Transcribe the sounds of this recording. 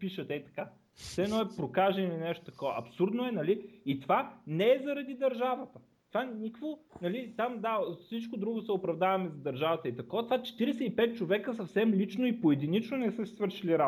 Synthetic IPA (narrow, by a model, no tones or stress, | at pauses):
piʃət̪ɛt̪ɐ̥ka | sɛɛnɔɛpɾokaʒɛnɛlinɛʃt̪o̥t̪ɐkɔvɐ̰ʔɐpsuɾd̪noɛnɐliit̪vanɛːzɐɾɐd̪id̪ɐɾʒavət̪ə | t̪vanʲikvonɐlit̪amd̪afsit͡ʃkod̪ɾuɡʊsɛopɾɐvd̪avɐmɛzɐd̪ɐɾʒavɐt̪əit̪ɐkɔvət̪ovat͡ʃɛ̥t̪iɾɛsɛipɛt̪̚t͡ʃovɛkəsɐfsɛmlit͡ʃnoipoɛd̪init͡ʃnonɛsɤssvɤɾʃiliɾa